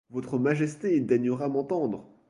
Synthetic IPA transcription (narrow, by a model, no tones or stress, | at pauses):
vɔt̪χəmaʒɛst̪ed̪ɛɲəʁamɑ̃t̪ɑ̃d̪ʁə